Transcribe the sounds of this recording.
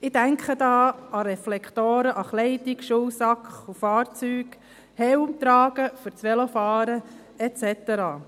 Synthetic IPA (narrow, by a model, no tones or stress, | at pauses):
ɪdæŋkχəd̪ɑːɑɾɛflɛkt̪oːɾəʔɑχlɛɪdikʃuwsɑkχufɑːɾt͡syːɡ | hɛwʊmt̪ɾɑːɡ̥əfəɾt͡sʋɛlɔfɑːɾə | ɛt͡sɛt̪əɾɑː